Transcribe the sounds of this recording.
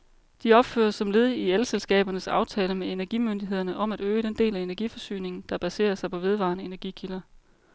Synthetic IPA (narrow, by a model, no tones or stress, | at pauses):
d̥iɒ̽b̥fø̰ːɐsɒ̽mle̝ð̞ˠielselsɡ̥ɛ̰ːb̥ɐnəsɑ̈ʊt͡sʰɛːləmee̝næɐɡ̥imønd̥iɦe̝ð̞̰ˠɐnəʔɒ̽mæɾ̥øːəɾ̥end̥e̝̰ːlæe̝næɐɡ̥ifɒ̽sy̰ːne̝ŋn̩d̥ɑ̈b̥æse̝̰ːɐsɑ̈ɪpʰɒ̽ʋe̝ð̞ˠʋɑ̈ːnəe̝næɐɡ̥ikʰilɐ